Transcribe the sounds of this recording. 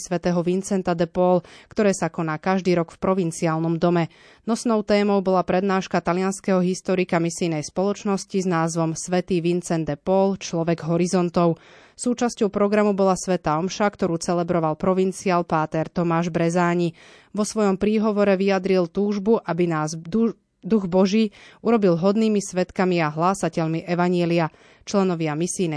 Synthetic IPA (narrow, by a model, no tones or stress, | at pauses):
sʋɛt̪ɛːɦɔʋint͡sɛnt̪ad̪ɛpɔːlkt̪ɔɾɛːsakɔnaːkaʒd̪iːɾɔɡfpɾɔʋint͡siaːlˠnɔmd̪ɔmɛ | nɔsnɔʊt̪ɛːmɔʊbɔlapɾɛd̪naːʃkat̪alɪanskɛɦɔɦist̪ɔɾikamisijnɛjspɔlɔt͡ʃnɔsciznaːzʋɔmsʋɛt̪iːʋint͡sɛnd̪ɛpɔːlt͡ʃlɔʋɛɡɦɔɾizɔnt̪ɔʊ | suːt͡ʃascɔʊpɾɔɡɾamubɔlasʋɛt̪aːɔmʃakt̪ɔɾuːt͡sɛlɛbɾɔʋalpɾɔʋint͡siaːlpaːt̪ɛɾt̪ɔmaːʒbɾɛzaːɲi | ʋɔsʋɔjɔmpɾiːɦɔʋɔɾɛʋiad̪ɾilt̪uːʒbuʔabinaːz | d̪uɣbɔʒiːuɾɔbilɦɔd̪niːmisʋɛt̪kamiaɦlaːsacɛʎmiʔɛʋaɲɪɛlia | t͡ʃlɛnɔʋɪamisijnɛ